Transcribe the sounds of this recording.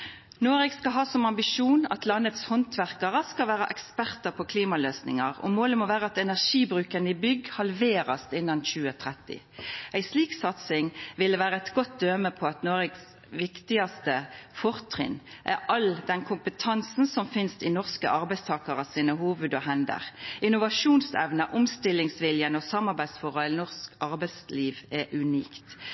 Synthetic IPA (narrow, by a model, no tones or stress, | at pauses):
noːʁɪkskɑɦɑːsɔmɑmbɪʃuːnɑ̰t̪lɑnːət̪shɔnt̪ʰʋæʁkɑʁəskɑlʋæːʁɑʔɛkspæʁt̪əpʰɔkʰliːmɑløːsnɪ̰ŋɑʁɔ̰moːləmɔʋæːʁəɑt̪ɛnæʁʂiːbʁʉːkənəɪbʏɡhɑlʋeːʁɑst̪ɪnːɑnçʉːət̪ʰʁɛt̪ːɪ̰ | ʔæɪsliːksɑt̪sɪŋʋɪləʋæːʁəɛt̪ɡɔt̪̚d̪øːməpʰɔɑt̪noːʁɪɡs | ʋɪkt̪ɪɑst̪əfɔʁt̪ʰʁɪ̰nʔæɑld̪ɛnkʰʊmpət̪ʰɑnsn̩sɔmfɪnst̪ɪnɔʁskə̰ʔɑʁbæɪst̪ʰɑːkɑʁɑsiːnəhuːʋʉd̪ɔɦɛnd̪ə̰ʁʔɪnʊʋɑʂuːnsɛʋnəʔʊmst̪ɪlɪŋsʋɪljənɔsɑmːɑʁbæɪsfɔʁɑlnɔʁskɑʁbæɪsliːʋɛʔʉnḭːktt̪